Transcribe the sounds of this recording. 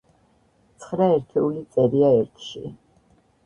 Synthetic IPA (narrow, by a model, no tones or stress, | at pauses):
t̪sʰχɾaɛɾt̪ʰɛulit̪sʼɛɾiaɛɾt̪ʰʃḭ